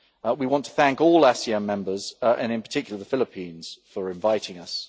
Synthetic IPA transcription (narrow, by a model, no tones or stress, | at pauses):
wiwɒ̃ntʰə̥θæ̃ŋkɔːlasiɛ̃mːɛ̃mbəzʔə̃nɪ̃npə̥tʰɪkjl̩ˠəðəfɪlɪpʰĩːnz̥fəɹɪ̃ɱvaɪtɪ̃ŋəs